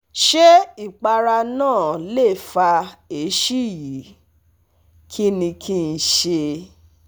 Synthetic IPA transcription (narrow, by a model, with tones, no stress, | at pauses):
ʃe˦i˦˨k͡pa˧ɾa˧nãː˦˨le˦˨fa˧e˨˦ʃi˦˨ji˨˦ | kʰi˦nĩ˧kʰi˦n̩˧ʃe˧